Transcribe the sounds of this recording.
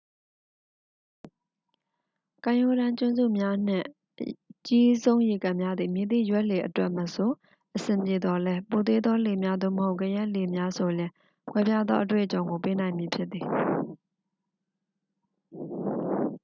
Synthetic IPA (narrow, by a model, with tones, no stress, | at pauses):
kã˨jo˨ɾã˦t͡ɕʊ̃˦˨nzṵ˦˨mja˦n̥ɪ̰̃˦˨ | t͡ɕi˦zõ˦ʊ̃je˨kã˨mja˦d̪ði˨mji˨d̪ḭ˦˨jwɛ˦ʔle˨ʔətwɛ˦ʔmə˨sʰo˨ | ʔəsɪ̃˨mpje˨d̪ɔ˨lɛ˦po˨t̪e˦d̪ðɔ˦le˨mja˦d̪o̰˦˨məɦo˦ʊʔkə˨jɛ˦ʔle˨mja˦sʰo˨ljɪ̃˨ | kʰwɛ˦pja˦d̪ðɔ̰˦ʔə˦t̬wḛ˦˨ʔət͡ɕõ˨ʊŋɡo˨pe˦nã˨ɪ̃mji˨pʰjɪ˦t̪̚t̪ːi˨